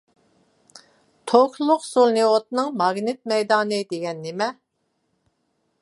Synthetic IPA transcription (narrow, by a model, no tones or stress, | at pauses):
t̪ʰokʲʰlˠʊqsulˠnɨot̪̚nɨŋmɑɡnɪt̪̚mɛjd̪ɑːnɨd̪eɡʲɛnːemɛ